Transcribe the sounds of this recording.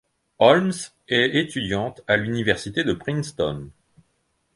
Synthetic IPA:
ɔlms | ɛet̪yd̪jɑ̃t̪alynivɛʁsit̪ed̪əpχĩnst̪ɔ̰n

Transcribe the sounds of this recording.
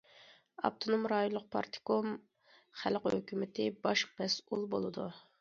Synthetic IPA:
ɑ̰p̚t̪ʰonomɾɑjonlˠːʊq̚pʰɑ̰ɾt̪ʰɪ̥kom | χælqhø̰kʲʰymɪt̪ʰɪbɑʃbɛsulˠbolˠɨd̪u

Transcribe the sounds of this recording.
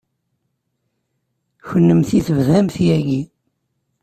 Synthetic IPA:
çənːəmθiθəvðæmθjæʝi

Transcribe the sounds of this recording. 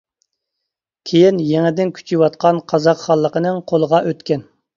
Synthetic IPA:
kʲʰejinjɛŋɛd̪ɪnkʲʰy̥t͡ʃʰiwɑt̪̚qɑnqʰɑzɑqχɑlˠːəqənɨŋqʰolˠəʁɑʔøt̪kʲɛn

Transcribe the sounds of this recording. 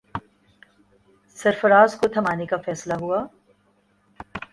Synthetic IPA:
sɐɾfəɾaːzkot̪ʰɐmaːnekafɛːslaɦuaː

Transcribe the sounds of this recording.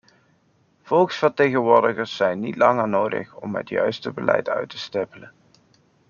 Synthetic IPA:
v̥ɔlˠksfəɹtejχənʋʊːɹdəχəɹsːɛjnːitlɑŋəɹnowdə̰χɔmɦə̰tjœɥstəbəlɛ̰jtœ̰ɥtəstɛpələn

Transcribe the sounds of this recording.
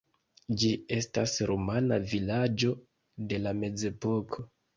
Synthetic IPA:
d͡ʒie̞stasɾomanavilad͡ʒo̞ | de̞lame̞d͡ze̞po̞kʰo̞

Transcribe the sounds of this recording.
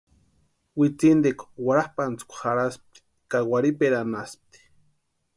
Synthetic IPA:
wit͡sind̪ekʷwaɾahpant͡skʷxaɾasp̚t̪i̥ | kawaɾipeɾanasp̚t̪i̥

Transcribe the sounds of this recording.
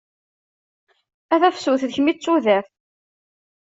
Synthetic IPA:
æθæfsuθðəçmit͡sːuðæθ

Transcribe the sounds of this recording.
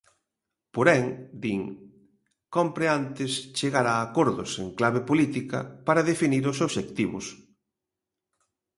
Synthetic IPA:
poɾɛŋd̪iŋ | kompɾeant̪ɪst͡ʃeɣaɾaːkoɾðʊseŋklaβepolit̪ikɐ̰paɾɐðefiniɾʊsoβʃek̚t̪iβʊ̰s

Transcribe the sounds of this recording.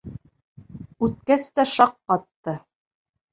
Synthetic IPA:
ʉt̪̚kæst̪æʃɑqːɑt̪ːɤ

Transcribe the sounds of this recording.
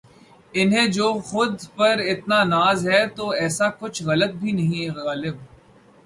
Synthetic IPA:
ɪnɦẽd͡ʒoːxʊd̪pɐɾɪt̪nanaːzɦɛt̪oːɛːsakʊt͡ʃʰɣɐlət̪̚bʱinɐɦĩɣaːlɪb

